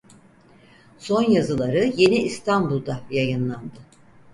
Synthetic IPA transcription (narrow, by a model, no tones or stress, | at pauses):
so̞njazɯlˠaɾɯje̞niʔːst̪ʰanbulˠd̪ajajɯnlˠand̪ɯ